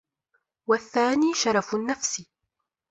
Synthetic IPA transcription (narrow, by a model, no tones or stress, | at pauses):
waθːaːniːʃɑɾˤɑfnːafsɪ